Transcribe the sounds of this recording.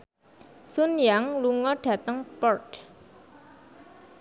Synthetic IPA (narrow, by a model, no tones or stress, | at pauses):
sunjaŋluŋɔɖ̥ä̤t̪əŋpɔrʈ